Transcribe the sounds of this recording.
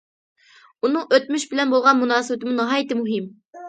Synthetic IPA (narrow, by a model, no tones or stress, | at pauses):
unɨŋøt̪̚myʃbɪlɛnbolˠʁɑnmunɑːsɨɪt̪ɪmunɨɦɑːjɪt̪ɪmuɦɪm